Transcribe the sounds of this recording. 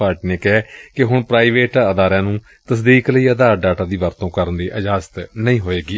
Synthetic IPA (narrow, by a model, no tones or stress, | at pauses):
aːɾʈːneːkɛːkɪɦʊɳpɾaːiːʋeːʈaəd̪aːɾãːnũː | t̪əsd̪iːkləiːəd̪aːɾɖaːʈãːd̪iːʋəɾt̪õːkəɾənd̪iːʔəd͡ʒaːzt̪nəĩːɦoːeːɡiː